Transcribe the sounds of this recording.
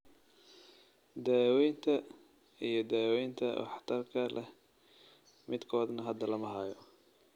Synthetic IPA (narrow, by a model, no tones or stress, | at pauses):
d̪aːwɛjnt̪ʰɐ | ijɞd̪aːwɛjnt̪ʰɐɐ̰ħt̪ʰɐrkʰɐlɛh | mɪd̪kʰɔːd̪nɐɦɐd̪ɐlɐmɐɦaːjɔ